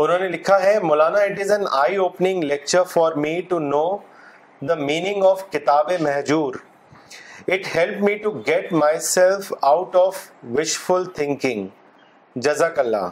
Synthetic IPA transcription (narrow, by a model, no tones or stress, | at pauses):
ʊnonelɪkʰaɦemʊlaːnaɪʈ̬ɪzə̃na̰ɪoːpnɪ̃ŋlɛk̚t͡ʃəɾfɔɾmiːʈunoː | d̪əmiːnɪ̃ŋɔfkɪt̪aːbemɛɦd͡ʒuːɾ | ɪʈhɛlpmiːʈuɡɛʈ̚maɪsɛlfaʊʈɔːfʋɪʃfʊlt̪ʰɪ̃ŋkɪ̃ŋ | d͡ʒɐzakɐlːa̰ː